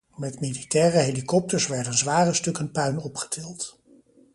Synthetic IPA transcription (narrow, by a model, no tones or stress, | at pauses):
mɛtmiditɛːrəɦelikɔp̚təɹsʋɛɹdənzʋaːrəstɵkənpœɥnɔpχə̥tʰɪlˠt